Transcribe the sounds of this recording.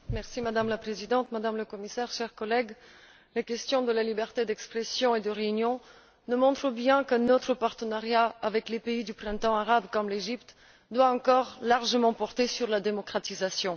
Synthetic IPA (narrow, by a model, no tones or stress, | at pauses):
mɛʁsimad̪amlapχezid̪ɑ̃t̪mad̪amləkɔmisɛʁʃɛʁkɔlɛɡ | lekʲɛst̪jɔ̃d̪əlalibɛʁt̪ed̪ɛkspχesjɔ̃ed̪əʁeynjɔ̃ | nəmɔ̃t̪χəbjɛ̃kənɔt̪χəpaʁt̪ənaʁjaavɛklepeid̪ypχɛ̃t̪ɑ̃aʁabkɔmleʒipt̪ | d̪waɑ̃kɔʁlaʁʒəmɑ̃pɔʁt̪esyʁlad̪emɔkχat̪izasjɔ̃